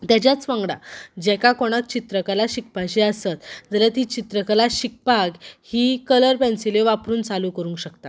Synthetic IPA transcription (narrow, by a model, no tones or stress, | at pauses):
t̪jat͡ɕjat͡sʋãŋɡɽa̰d͡ʑɛkakoɽ̃ak̚t͡ɕit̪ɾəkəlaɕik̚paɕiəsət̪d͡zəlat̪it͡ɕit̪ɾəkəlaɕik̚paɡhiːkələɾpɛ̃nsileʋapɾuːnt͡saluːkəɾũːŋkɕəkt̪a